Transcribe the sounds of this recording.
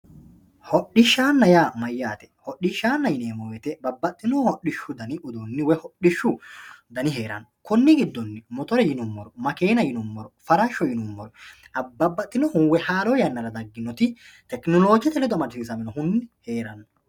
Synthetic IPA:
hɔɗːɪʃːaːnːɐjaːmɐjːaːt̪ɛ̥hɔɗɪʃːaːnːɐjɪneːmɔwɛt̪ɛbɐbːɐt̪ʼːɪnɔhɔɗɪʃːʊd̪ɐnɪʔʊd̪unːɪwɛhɔɗɪʃːʊd̪ɐnɪɦe̞ːɾɐ̰nːɔkʊnːɪɡɪd̪ːɔnːɪmɔt̪ɔɾɛjɪnʊmːɔɾɔmɐkeːnɐjɪnʊmːɔɾɔfɐɾɐʃːɔjɪnʊmːɔɾɔ | ɐbɐbːɐt̪ʼːɪnɔhʊnwɛhaːloːjɐnːɐɾɐd̪ɐɡːɪnːɔt̪ɪt̪ɛknɔloːd͡ʒɪjɐt̪ɛlɛd̪ɔmɐɾsiːsɐmɪnɔhʊnːɪheːɾɐnːɔ

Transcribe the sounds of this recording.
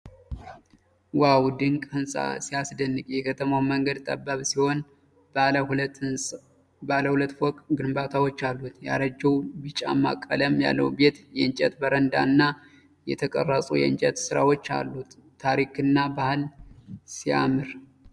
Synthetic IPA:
wawd̪ɨŋkʼhɨnsʼa̰siasd̪ənːɨkʼjɛkʰət̪ʰəmawməŋɡəd̪t̪ʼə̰bːaβsiho̞n | baləhult̪ːɨnsʼ | baləhulət̪ːwɔkʼɡɨnbat̪ʰawot͡ʃːalːut̪ja̰ɾəd͡ʒːəwbɨt͡ʃʼa̰mːa̰kʼːələmja̰lːə̰wbe̞t̪jɛɨnt͡ʃʼɛt̪bəɾənd̪a̰nːa | jɛ̰t̪ʰəkʼərːəsʼujɛ̰ɨnt͡ʃʼɛt̪sɨɾawo̞t͡ʃːa̰lːut̪ʰː | aɾikɨnːabahɨlsia̰mɨɾ

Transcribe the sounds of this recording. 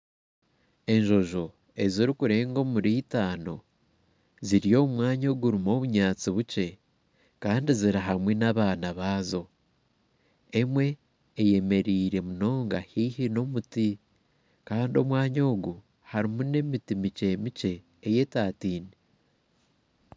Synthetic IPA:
e̞ɲʒo̞ʒo̞ | e̞ziɾikuɾe̞ːŋɡo̞muɾiːtaːno̞ | ziɾijo̞mwaːɲoːɡuɾimo̞βuɲaːt͡siβuce̞ | kaːndiziɾaɦamwenaβaːnaβaːzo̞ | e̞mwe̞ː | je̞me̞ɾiːɾe̞muno̞ːŋɡahiːhino̞muti | kaːndio̞mwaːɲo̞ːɡu | haɾimune̞mitimice̞mice̞ː | je̞taːtiːni

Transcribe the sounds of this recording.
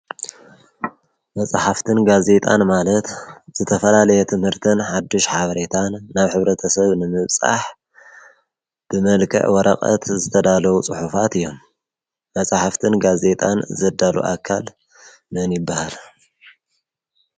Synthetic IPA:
mɐt͡sʼaħaft̪ʰɨnɡaze̞t̪ʼanmalɐt̪z̥ɨt̪ʰɐfɐlalɐjɛt̪ʰɨmhɨɾt̪ʰɨnħad̪ːiʃħaβɐɾe̞t̪ʰanːaβħɨβɾɐt̪ʰɐsɐβnɨmɨβt͡sʼa̰ħ | b̥ɨmɐlkʰɐ̰ʕwɔɾɐ̰qʼɐ̰t̪zɨt̪ʰɐd̪alɐwut͡sʼɨħufat̪ɨjːo̞m | mɐsʼaħaft̪ʰɨnɡaze̞t̪ʼanzɐd̪alṵʔakʰːal | mɨnjɪbːahal

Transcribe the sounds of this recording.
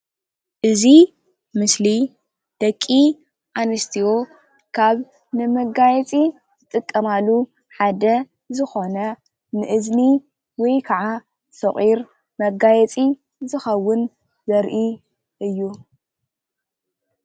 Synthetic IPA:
ʔɨzi | mɨsli | d̪̥ɐkʼːi | ʔanɨst̪ʰiwo̞ | kʰaβ | nɨmɐɡajɛt͡sʼi | zɨt̪ʼɨkʼːɐmalːu | ħad̪ɐ | zɨxo̞nɐ | nɨʔɨzni | wɔjkʰaʕa | sɐχʼiɾ | mɐɡajɛt͡sʼi | zɨxɐwːʊn | zɐɾʔi | ʔɨjːu

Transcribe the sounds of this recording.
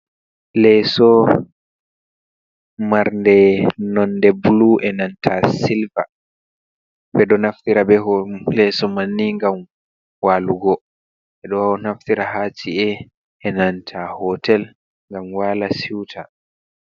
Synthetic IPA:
lɛsɔ | maɾndɛnɔndɛbuluʔɛnantʰasilva | bɛɗɔnaftiɾabɛɦɔlɛsɔmanːiŋɡam | waluɡɔ | ʔɛɗɔwawɔnaftiɾaɦat͡ʃiɛ | ɛnantʰahɔtɛl | ŋɡamwaːlasiwtʰa

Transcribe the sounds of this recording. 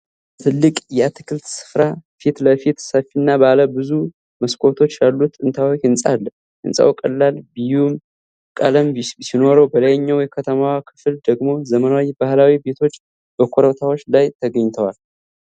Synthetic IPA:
t̪ʰɨlːɨkʼjɛat̪ʰɨ̥kʰɨlt̪sɨ̥fɾafit̪ləfit̪səfinːabaləbɨzu | məskʼʰo̞t̪ʰo̞t͡ʃːjalːut̪ʼːɨnt̪ʰawoɨnsʼa̰lː | ɨ̰nsʼa̰wkʼə̰lːalbɨjum | kʼələmbsino̞ɾəwbələjɲːawjɛkʰət̪ʰəmawakʰɨ̥fɨld̪əɡmo̞zəmənawibahlawibe̞t̪ʰo̞t͡ʃː | b̥əkʷʰoɾət̪ʰawo̞t͡ʃːlajt̪ʰəɡəɲːt̪ʰəwal

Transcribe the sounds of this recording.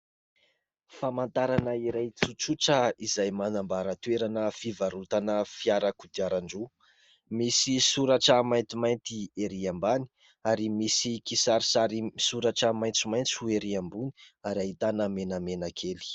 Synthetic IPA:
famant̪aɾanəiɾajt͡sut͡suʈ͡ʂəizajmanambaɾat̪weɾanəfivaɾut̪anəfiaɾakud̪iaɾaɳɖ͡ʐu | misisuɾaʈ͡ʂəmajnt̪imajnt̪ieɾiambani̥ | aɾimisikisaɾisaɾimisuɾaʈ͡ʂəmajnt͡sumajnt͡sueɾiambuni̥aɾaɦit̪anəmenamenakʰeli̥

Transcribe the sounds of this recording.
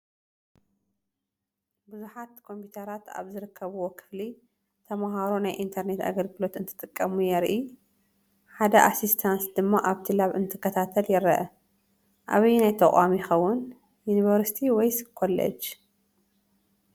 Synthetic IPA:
bɨzuħat̪kʰo̞mpʰjut̪ʰɐɾat̪a̰βzɨɾɨkʰːɐβuwokʰɨ̥fli | t̪ʰɐmaɦaɾonajʔint̪ʰɐɾne̞t̪a̰ɡɐlɡɨlo̞t̪ɨnt̪ʰɨ̥t̪ʼɨkʼːɐmujɛɾʔi | ħad̪ɐʔasist̪ʰansd̪ɨmːaʔaβt̪ʰilaβɨnt̪ʰɨkʰːɐt̪ʰat̪ʰɐljɛɾɐʔɐ | ʔa̰βinajt̪ʰɐkʼamijixɐwːʊn | juniβɐɾsit̪ʰiwɔjskʰolːɐ̰t͡ʃ

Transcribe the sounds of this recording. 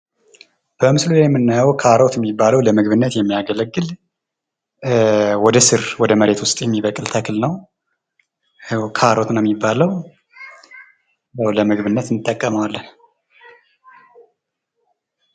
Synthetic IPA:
b̥əmɨslulajɛmːɨnːajwkʰaɾot̪jɛmːibːaləwləmɨɡβɨnːət̪jɛmːijaɡələɡːɨl | wɔd̪əsɨɾwɔd̪əməɾe̞t̪wʊst̪ʼjɛmːiβəkʼɨlt̪ʰəkʰɨlnəw | kʰəaɾot̪ʰunajɛmːibːaləw | jawləmɨɡβɨnːət̪nːɨt̪ʼːəkʼːəməwalːən

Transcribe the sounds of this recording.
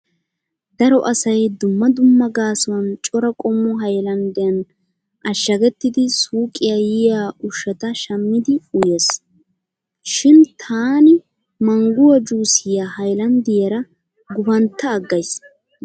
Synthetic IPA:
d̪ɐɾɔʔɐsɐjd̪ʊmːɐd̪ʊmːɐɡaːsɐwɐnt͡ʃʼɔɾɐkʼɔmːʊɦɐjlɐnd̪ɪjɐn | ʔɐʃːɐɡɛt̪ːɪd̪ɪsuːkʼːɪjajɪjaːʔʊʃɛt̪ɐʃɐmːɪd̪ɪʊjeːs | ʃɪnt̪ʰaːnɪ | mɐŋɡʊwɐd͡ʒuːsɪjahɐjlɐnd̪ɪjɐɾɐ | ɡʊbɐnt̪ːɐːɡːɐjs

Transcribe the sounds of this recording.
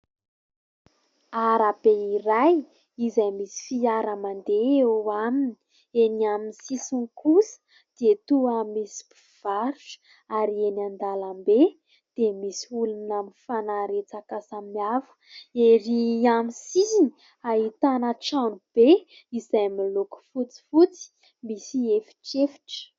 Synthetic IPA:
aɾab̥eiɾaj | izajmisi̥fiaɾəmand̪eewamini̥ | enaminsisinkusə̥ | d̪̥et̪uamisi̥pi̥v̥aɾuʈ͡ʂə̥ | aɾienand̪alambe | d̪̥emisiulunaminfanaɾet͡sakasammiavu̥ | eɾiamisizini | aɦit̪anəʈ͡ʂanub̥e | izajmiloku̥fut͡si̥fut͡si̥ | misiefi̥ʈ͡ʂefi̥ʈ͡ʂə̥

